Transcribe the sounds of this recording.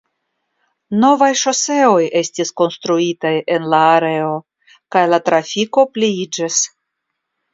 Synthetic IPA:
no̞vajʃo̞se̞o̞je̞stisko̞nst̪ɾuitaje̞nlaːɾe̞o̞ | kajlatɾafiko̞pliid͡ʒis

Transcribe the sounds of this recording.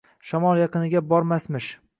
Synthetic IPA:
ʃamɒlˠjɑqɨnɪɡʲabɒɾmasmɪʃ

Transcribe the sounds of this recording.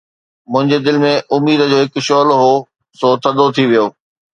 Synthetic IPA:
mʊ̃ɦɪ̃ɲd͡ʑed̪ɪlɪ̆mẽʔʊmiːd̪ə̆d͡ʑoːɦɪkʊʃoːlɦo | soːt̪ʰɐd̪ot̪ʰiʋijoː

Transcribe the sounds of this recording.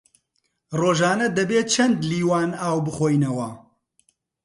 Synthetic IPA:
roːʒaːnɐd̪ɐbeːt͡ʃʰɐnd̪liːwaːnaːwbɨχoːjnɐwɐ

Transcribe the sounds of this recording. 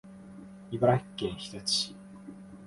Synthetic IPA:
ibaɾḁkːẽɰ̃çi̥t̪at͡ɕɕi

